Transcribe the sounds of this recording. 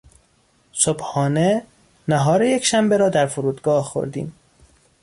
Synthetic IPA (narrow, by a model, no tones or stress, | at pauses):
sobhɒːne | næɦɒːɾejecʰʃæmbeɾɒːd̪æɾfoɾuːd̪ɡɒːhxo̰ɾd̪ḭːm